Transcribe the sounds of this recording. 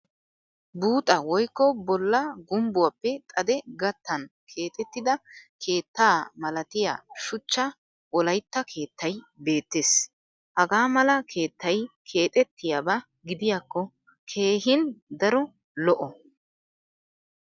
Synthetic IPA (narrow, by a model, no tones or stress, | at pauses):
buːt̪ʼɐwɔjkːɔbɔlːɐɡʊmbʊwɐpːɛt̪ʼɐd̪ɛɡɐt̪ːɐnkʰe̞ːt̪ʼɛt̪ːɪd̪ɐkʰe̞ːt̪ːaːmɐlɐt̪ɪja̰ːʃʊt͡ʃːɐ | wɔlɐjt̪ːɐkʰe̞ːt̪ːɐj | be̞ːt̪ːeːs | hɐɡaːmɐlɐkʰe̞ːt̪ːɐjkʰe̞ːt̪ʼɛt̪ːɪjabɐ | ɡɪd̪ɪjaːkːɔ | kʰe̞ːɦɪnd̪ɐɾɔ | lɔʔɔ